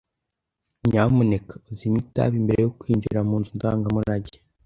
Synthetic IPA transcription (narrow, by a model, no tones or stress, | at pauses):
ɲaːmunekḁuzimita̰βimbe̞ɾe̞jokwiːɲɟiɾamuːnzundaːŋɡamuɾaɟe̥